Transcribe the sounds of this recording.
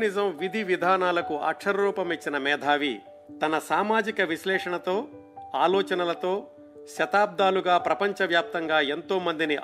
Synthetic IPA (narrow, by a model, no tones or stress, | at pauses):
nizɐmʋid̪ʱiʋid̪ʱaːnaːlɐkuʔɐ̰kʂɐɾɐɾuːpɐmet͡ʃːinɐmɛːd̪ʱaːʋi | t̪ɐnɐsaːmaːd͡ʒikɐʋiʃlɛːʂɐɳɐt̪oː | aːlɔːt͡ʃɐnɐlɐt̪o̞ː | ʃɐt̪aːb̚d̪aːluɡaːpɾɐpɐɲt͡ʃɐʋjaːp̚t̪ɐŋɡaːe̞nt̪o̞ːmɐnd̪iniʔ